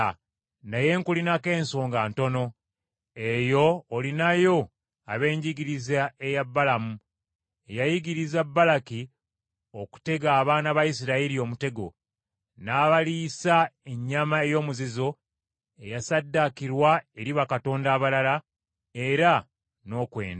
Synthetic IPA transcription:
naje̞ːŋkulinake̞ːnso̞ːŋɡaːnto̞no̞ | e̞jo̞ːlinajo̞ | a̰βe̞ːɲɟiɡiɾizaejabːalamu | e̞jajiɡiɾizabːalaki | oku̥te̞ɡaːβaːnaβaisiɾailio̞ːmute̞ɡo̞̰ | naːβalisae̞ɲːamae̞jo̞ːmuzizo̞ | e̞jasadːakiɾwae̞ɾiβakato̞ːndaːβalala | e̞ɾa | no̞ːkwe̞̰ːnd

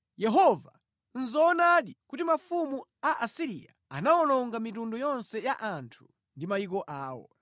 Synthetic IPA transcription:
jɛɦɔva | n̩zaːnaɗikutimafumuaʔasiɾḭa̰ | a̰naɔnɔŋɡamitundɔjɔnsɛjaʔantʰu̥ | ndimajikɔʔaːwɔ̰

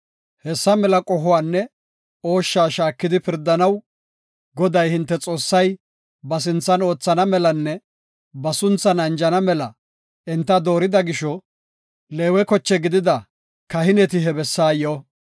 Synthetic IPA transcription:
hɛsːɐmɛlɐkʼɔɦʊwaːnːɛ | o̞ːʃːaːʃaːkːɪd̪ɪpɪɾd̪ːɐnɐw | ɡɔd̪ɐjhɪnt̪ːɛt͡sʼo̞ːsːɐj | bɐs̬ɪnt͡sːɐno̞ːt͡sːɐnɐmɛlɐnːɛ | bɐsʊnt͡sːɐnɐnd͡ʒɐnɐmɛlɐ | ɛnt̪ːɐd̪o̞ːɾɪd̪ɐɡɪʃɔ | le̞ːwɛkɔt͡ʃːɛɡɪd̪ɪd̪ɐ | kɐhɪnɛt̪ɪɦɛbɛsːaːjo

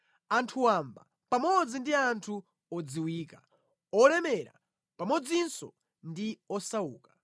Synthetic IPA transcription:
antʰuwamba̰ | pamɔd͡zindiantʰu | ɔd͡ziwiːka | ɔlɛmɛɾa̰ | pamɔd͡zinsɔ̰ | ndiɔsauːkḁ

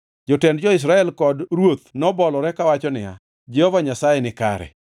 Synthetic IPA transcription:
d͡ʒɔtɛndd͡ʒɔɪs̬ɾaɛlkɔdɾwot̪nɔbɔlɔɾɛkawat͡ʃɔnɪa̰ | d͡ʒɛhɔvaɲasajɛnɪka̰ɾɛ̰

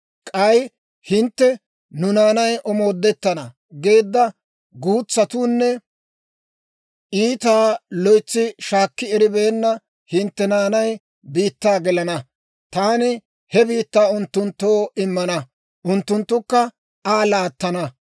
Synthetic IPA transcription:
kʼɐj | hɪnt̪ːɛ | nʊnaːnɐjʔɔmo̞ːd̪ːɛt̪ːɐnɐ | ɡe̞ːd̪ːɐ | ɡuːt͡sːɐt̪uːnːɛ | ʔiːt̪aːlɔjt͡sːɪʃaːkːɪɛɾɪbe̞ːnːɐ | hɪnt̪ːɛnaːnɐj | biːt̪ːaːɡɪlɐnɐ | t̪aːnɪ | hɛbiːt̪ːaːʊnt̪ːʊnt̪ːo̞ːɪmːɐnɐ | ʔʊnt̪ːʊnt̪ːʊkːɐ | aːlaːt̪ːɐnɐ

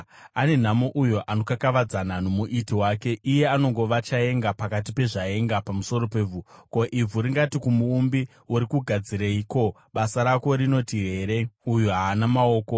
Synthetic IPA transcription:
ane̞n̤amoʔujo̞ʔano̞kakaʋad͡zananomuʔitiwaːke̞ʔije̞ano̞ŋɡo̞ʋat͡ʃae̞ŋɡapakat̬ipe̞ʐae̞ŋɡapamuso̞ɾo̞peːb͡vʱuko̞ʔib͡vʱuɾiŋɡatikumuːmbi | uɾikuɡʱad͡ziɾeiːko̞ | ɓasaɾako̞ɾino̞tiɦe̞ɾe̞ujoɦaːnamao̞ːko̞

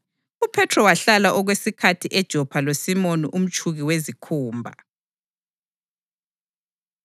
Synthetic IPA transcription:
upʰɛtʰrɔwaɬalaʔɔɣwesikʰatʰiʔɛd̥ʒ̥ʱɔpʰalosimoniʔum̩t͡ʃʰʼuɣiwezikʰuːmbʱa̰

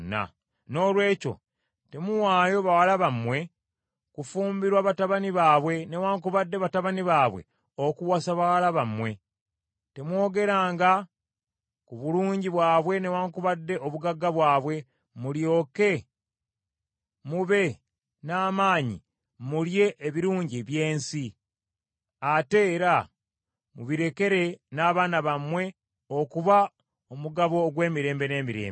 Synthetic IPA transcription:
nːa̰ | no̞ːlwe̞ːco̞̰ | te̞muwaːjo̞βawalaβamwe̞ | kufuːmbiɾwaβataβaniβaːβwe̞ne̞waːŋkuβadːe̞βataβaniβaːβwe̞̰ | okuwasaβawalaβamwe̞ | te̞mwo̞ːɡe̞ɾaːŋɡa | kuβuluːɲɟiβwaːβwe̞newaːŋkuβadːe̞ʔoβuɡaɡːaβwaːβwe̞ | muljo̞ːke̞ | muβe̞ | naːmaːɲḭ | mulje̞ʔːβiɾuːɲɟiβje̞ːnsi | ate̞ːɾa | muβiɾe̞ke̞ɾe̞naːβaːnaβamwe̞ | okuβa | omuɡaβo̞ːɡwe̞ːmiɾe̞ːmbe̞ne̞ːmiɾḛːmbe

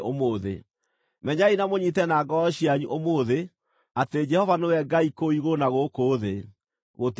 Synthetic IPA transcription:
omoːðḛ | mɛɲainamoɲitɛnaːɡɔɔɕiaɲuʔomoðe | ateed͡ʒɛhɔvanewɛɡaikoiɣonaɣokoːðe | ɣot

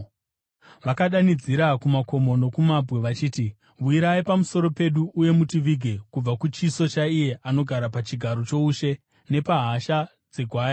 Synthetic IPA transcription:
ʋakaɗanid͡ziɾakumako̞mo̞no̞kumabʱwe̞ʋat͡ʃiːti | ʋuiɾaipamuso̞ɾo̞pe̞ɗuʔːje̞mutiʋiɡʱe̞kub͡vakut͡ʃiso̞t͡ʃaije̞ʔano̞ɡʱaɾapat͡ʃiɡʱaɾo̞t͡ʃo̞uʃe̞ | ne̞paɦaʃa | d͡ze̞ɡʱwaːja

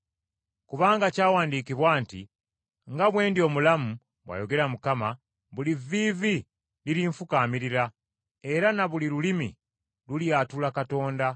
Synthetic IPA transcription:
kuβaːŋɡacaːwaːndiːkiβwaːntḭ | ŋɡaβwe̞ːndio̞ːmulamu | βwa̰ːjo̞ɡe̞ɾamukama | βuliviːvi | liɾiɱfukaːmiɾiɾa | e̞ɾanaβuliɾulimḭ | luljaːtulakato̞ːnda

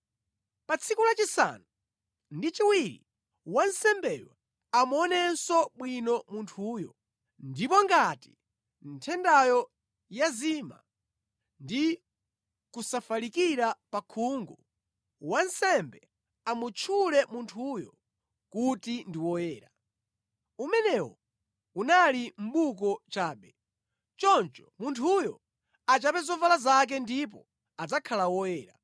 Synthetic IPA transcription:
pat͡sʰikulat͡ʃisa̰nu | ndit͡ʃiwiɾḭ | wansɛmbɛjwa̰ | amuɔnɛnsɔɓwinɔmuntʰuːjɔ | ndipɔŋɡati | n̩tʰɛndajɔ | jazima̰ | ndi | kusafalikiɾapakʰuŋɡu | wansɛmbɛ | amut͡ʃʰulɛmuntʰujɔ | kutindiwɔjɛːɾa | umɛnɛwɔ̰ | unalim̩ɓukɔt͡ʃaːɓɛ | t͡ʃɔnt͡ʃɔ̥muntʰujɔ | at͡ʃapɛzɔvalazak̬ɛndip̬ɔ̰ | ad͡zakʰalawɔjɛːɾa

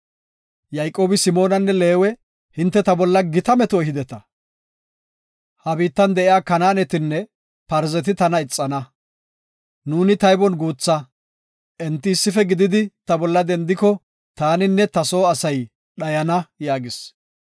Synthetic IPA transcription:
jɐjkʼo̞ːbɪsɪmo̞ːnɐnːɛle̞ːwɛ | hɪnt̪ːɛt̪ɐbɔlːɐɡɪt̪ɐmɛt̪ohɪd̪ɛt̪ɐ | hɐbiːt̪ːɐnd̪ɛʔɪjaːkɐnaːnɛt̪ɪnːɛ | pɐɾzɛt̪ɪt̪ɐnɐɪt͡sʼːɐnɐ | nuːnɪt̪ɐjbɔnɡuːt͡sːɐ | ʔɛnt̪ːɪːsːɪfɛɡɪd̪ɪd̪ɪt̪ɐbɔlːɐd̪ɛnd̪ɪkɔ | t̪aːnɪnːɛt̪ɐso̞ːɐsɐj | ɗɐjɐnɐjaːɡɪs

